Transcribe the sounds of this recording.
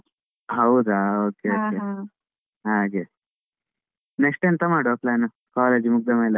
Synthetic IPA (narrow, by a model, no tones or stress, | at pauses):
ɦɐwd̪aoːkeoːke | ɦaɡe | nekʂʈent̪ɐmaːɽoplaːnɐ | kaːleːd͡ʒimuɡ̚d̪ɐmelɐ